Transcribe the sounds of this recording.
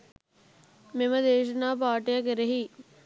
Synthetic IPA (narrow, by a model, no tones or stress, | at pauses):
meməd̪eːʃənaːp̬aːʈejakeɾeɦi